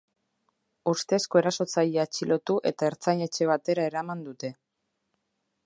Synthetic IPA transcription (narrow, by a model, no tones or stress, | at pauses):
ust̪esko̞e̞ɾaso̞t͡sajeat͡ʃilo̞t̪uʔe̞̰t̪ae̞ɾt͡saɲe̞t͡ʃe̞β̞at̪e̞ɾae̞ɾamand̪ut̪e̞